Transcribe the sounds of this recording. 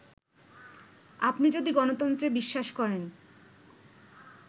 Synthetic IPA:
apnid͡ʑod̪iɡɔnot̪ɔnt̪ɾebiʃːaʃkɔɾen

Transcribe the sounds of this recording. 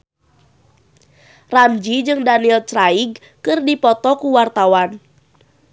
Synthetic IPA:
ramd͡ʒid͡ʒɨŋdaniɛlt͡ʃraiɡ̚ | kɨrdipɔt̪ɔkuwart̪awan

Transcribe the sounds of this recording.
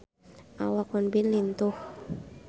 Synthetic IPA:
ʔawakɔnbinlint̪uh

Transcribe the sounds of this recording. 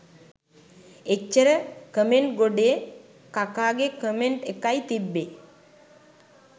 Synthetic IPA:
et͡ʃːəɾəkəmeɳʈɡoɖe | kakaːɡekəmeɳʈekajt̪ibːe

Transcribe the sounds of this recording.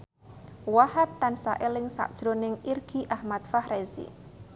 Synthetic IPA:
wahap̚t̪ansa̰ʔɪlɪŋsa̰ʔd̥ʒ̥ɾonɪŋirɡ̥i̤ʔahmat̪̚fahrezḭ

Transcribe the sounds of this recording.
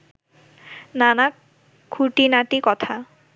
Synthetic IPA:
nana | kʰːuʈinaʈikɔt̪ʰa

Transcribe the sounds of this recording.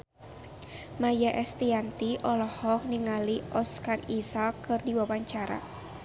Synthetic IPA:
majaʔɛst̪iant̪iʔɔlɔhɔk̚niŋaliʔɔskarisakːɨrdiwawaɲt͡ʃaɾa̰

